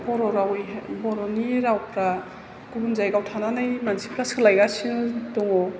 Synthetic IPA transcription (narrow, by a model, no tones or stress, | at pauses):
bɔɾɔɾawbɔɾɔniɾawpʰɾa | ɡ̥ubunzajɡawtʰananajmansi̥pʰlaskʰalajɡasinutɔŋɔ